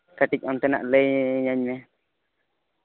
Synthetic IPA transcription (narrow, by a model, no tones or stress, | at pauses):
kaʈic̚ˀɔnt̪ɛna̰ʔlejɲaɲmɛ